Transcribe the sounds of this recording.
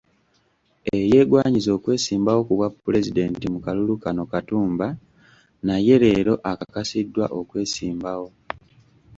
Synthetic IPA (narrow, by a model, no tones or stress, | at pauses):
e̞je̞ːɡwaːɲizo̞ːkwe̞ːsiːmbawo̞kuβwapːule̞zide̞ntimukalulukano̞katuːmba | naje̞ɾe̞ːɾo̞ʔakakasidːwa̰ʔo̞kwe̞ːsiːmbawo̞